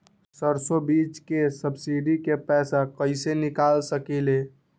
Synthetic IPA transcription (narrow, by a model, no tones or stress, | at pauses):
səɾsobit͡ʃkesəbsiɖikepɛsakəɪsenikalsəkile